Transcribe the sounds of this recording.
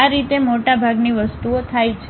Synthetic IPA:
aɾit̪emoʈabʱaɡniʋəst̪uot̪ʰajt͡ʃʰ

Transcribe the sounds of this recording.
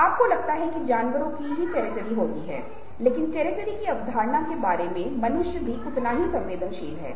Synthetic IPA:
aːp̚kolɐɡ̚t̪aɦɛkid͡ʒaːnʋəɾõkiɦit͡ʃɛːɾɪt͡ʃəɾiɦoːt̪iɦɛ̰ː | leːkɪnt͡ʃɛːɾɪt͡ʃəɾikiɐʋd̪ʱaːɾnakebaːɾemẽmɐnʊʃjəbʱiʊt̪naɦisɐ̃mʋeːd̪ʱənʃiːlɦɛ̰ː

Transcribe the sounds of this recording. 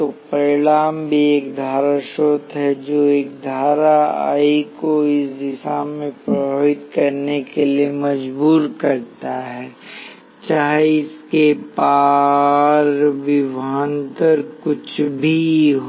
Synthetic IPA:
t̪opɐɾɪɽaːmbʱieːkd̪ʱaːɾaʃoːt̪ʰɦɛd͡ʒoːeːk̚d̪ʱaːɾaa̰ːikoɪsd̪ɪsaːmːẽpɾɐbʱaːʋɪt̪kɐɾnekeliemɐd͡ʒbuːɾkɐɾt̪aɦɛː | t͡ʃaːɦeɪskepa | ɾʋɪʋaːnt̪əɾkʊt͡ʃʰbʱiɦ

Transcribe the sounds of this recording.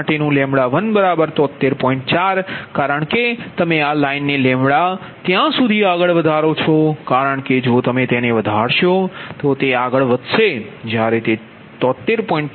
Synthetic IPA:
ʈenũlɛ̃mɭaʋənbəɾabəɾt̪ɔt̪ːeɾpɔ̃ĩɳʈt͡ʃaɾkaːɾəɳket̪əmẽalainːelɛ̃mɽa | t̪jãsud̪ʱiaɡəɭʋəd̪ʱaɾot͡ʃʰokaɾəɳked͡ʒot̪əmẽt̪eneʋəd̪ʱaɽʃot̪ot̪eaɡəɭʋəd̪ʱʃed͡ʒjaɾet̪e | t̪ɔt̪ːeɾpɔ̃ĩɳʈ

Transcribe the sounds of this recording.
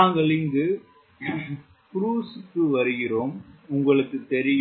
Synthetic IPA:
aːŋɡɐɭɪnɡɯ | pɾuːsɯkːɯʋɐɾɯɣɪroːmʊŋɡɐɭɯkːɯt̪ːɛɾɪj

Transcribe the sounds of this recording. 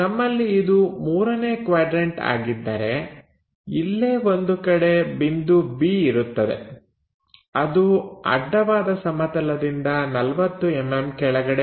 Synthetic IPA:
nɐmːɐlːiːd̪umuːɾɐne̞ːkʋaːɖɾeɳʈa̰ːɡid̪ːɐ̰ɾe̞ | ilːeːʋo̞nd̪ukɐɽe̞bind̪ubiːiɾut̪ːɐd̪e̞̰ | ɐd̪uɐ̰ɖːɐʋaːd̪ɐsɐmɐt̪ɐlɐd̪ind̪ɐnɐlʋɐt̪ːuemːemkɛɭɐɡɐɽe

